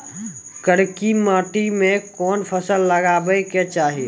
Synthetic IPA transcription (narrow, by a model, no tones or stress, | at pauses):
kəɽkiməːʈimẽkɔnpʰəsəlːəɡabəjket͡ʃaɦi